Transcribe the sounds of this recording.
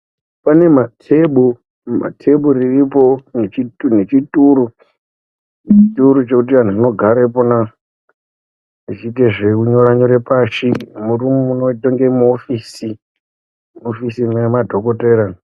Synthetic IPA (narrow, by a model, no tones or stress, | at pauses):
pane̞matʰeɓu | ma̰tʰe̞ɓuriripo̞net͡ʃitunet͡ʃituɾu | t͡ʃituɾut͡ʃe̞kut̬iʋan̤uino̞ɡʱaɾepona | it͡ʃit̬eʐekuɲo̞ɾaɲoɾepaʃimuɾumuunotoŋɡemuofiːsi | mofisimemadʱo̞ko̞teɾa